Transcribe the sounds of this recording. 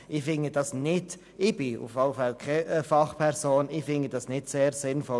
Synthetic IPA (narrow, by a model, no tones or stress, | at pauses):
ɪfɪŋəd̥ɑsnɪd̥ | ɪb̥ɪṵfɑləfɛlkʰefɑχpʰɛɾsoːnɪfɪŋəd̥ɑsnɪdseːɾsɪnfɔ